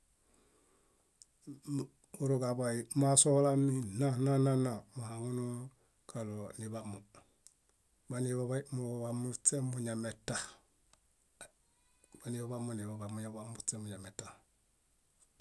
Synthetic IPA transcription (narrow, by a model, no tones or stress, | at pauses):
uɾuɡabaimasolamːinanananamuhaŋunu | kʰalonibamu | baniβaβaimubamusemuɲametːah | banibaβamuniβabamuɲabamusemuɲametːah